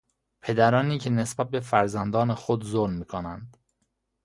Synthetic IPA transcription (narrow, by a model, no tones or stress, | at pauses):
pʰe̞d̪æɾɒːniːcʰe̞ne̞sbæt̪̚be̞fæɾzænd̪ɒːnexod̪zoɾmmiːkʰonænd̪̥